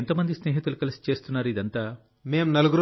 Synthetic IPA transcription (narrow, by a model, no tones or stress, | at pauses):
nt̪oːmɐnd̪isne̞ːɦit̪ulukɐlɐsi̥t͡ʃe̞ːst̪unːaːɾuid̪ɐnt̪aː | me̞ːmnɐluɡuɾ